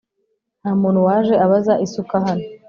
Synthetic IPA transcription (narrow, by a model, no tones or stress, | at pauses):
naːmuːnhuwaːʒe̞aβazaʔisukaɦano